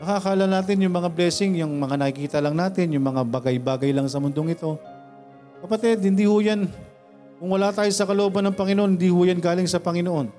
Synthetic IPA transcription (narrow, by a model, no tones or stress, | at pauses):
nɐkakaːlɐnaːt̪̬ɪnjʊŋmɐŋablɛːsɪŋjʊŋmɐŋanɐkɪkiːt̪ɐlɐŋnaːt̪ɪnjʊŋmɐŋabaɡɐjbaːɡɐjlɐŋsɐmʊnd̪o̞ŋɪt̪o̞ | kɐpɐt̪ɛd̪̚hɪnd̪iːhʊjan | kʊŋwɐlaːt̪aːjosɐkɐloʔoːbɐnːɐŋpɐŋɪnoʔohɪnd̪iːhʊjanɡaːlɪŋsɐpɐŋɪnoʔo̞n